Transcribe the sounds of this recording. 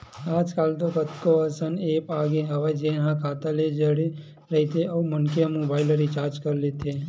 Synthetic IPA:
aːd͡ʒkaːlt̪okət̪koəsəneːpaːɡeɦəʋed͡ʒeːnɦãkaːt̪aled͡ʒəɽe | ɾəɦit̪ʰeəumənkeamobaːɪləɾit͡ʃaːɾt͡ʃkəɾlet̪ʰeː

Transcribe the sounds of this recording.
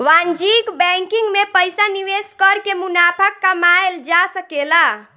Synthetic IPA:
ʋand͡ʒikbɛŋkiŋɡmepəjsaniʋeskəɾkemunapʰəkːəmaeld͡ʒasəkela

